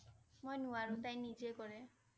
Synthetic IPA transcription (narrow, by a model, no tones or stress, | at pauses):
mojnuaɾut̪aĩnid͡ʒekɔɾe